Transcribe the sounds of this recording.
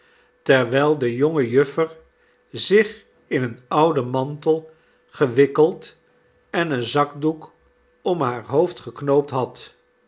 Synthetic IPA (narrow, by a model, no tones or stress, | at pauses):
tɛɹʋɛjlˠdəjɔŋəjɵfəɹ | zɪχ | ɪnənʌwdəmɑntəlˠ | χəʋɪkəlˠt | ɛnənzɑɡduk | ɔmɦaːɹɦowftχəknowp̚tɦɑt